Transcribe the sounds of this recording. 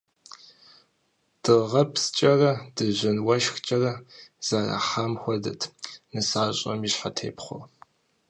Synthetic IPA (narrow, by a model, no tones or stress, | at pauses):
d̥ɨʁɐpʰst͡ʃʼɐrɐdɨʑɪnwɐʃxt͡ʃʼɐrɐz̥aːra̰ħaːmxʷɔdɐ̰tʰnɨsaːɕʼɐ̰miɕħatʰḛːpχʷɔ̰